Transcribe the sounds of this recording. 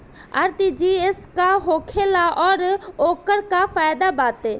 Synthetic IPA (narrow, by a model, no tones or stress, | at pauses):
ɐ̰ɾt̪id͡ʒiːɪskaɦoːkʰeːlaʔɔːɾoːkəɾkafaːjd̪abaːt̪eː